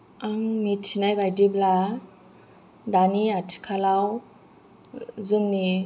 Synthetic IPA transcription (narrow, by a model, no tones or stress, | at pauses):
aŋmitʰinajbajdibla | daniatʰi̥kʰalaw | zɯŋni